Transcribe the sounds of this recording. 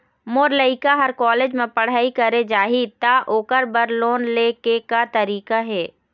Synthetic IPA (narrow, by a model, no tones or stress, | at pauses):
moːɾləɪkaɦɐɾkɔːleːd͡ʒmẽpɐɽ̤aːikɐɾed͡ʒaːɦit̪aʔoːkəɾbəɾloːnleːkekat̪ɐɾiːkaɦɛː